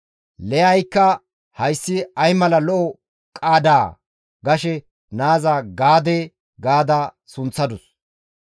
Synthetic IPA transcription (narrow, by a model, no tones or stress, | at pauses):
lɛjɐjkːɐ | hɐjsːɪɐjmɐlɐlɔʔɔ | kʼaːd̪aː | ɡɐʃɛ | naːzaːɡaːd̪eː | ɡaːd̪a | sʊnt͡sːɐd̪ʊs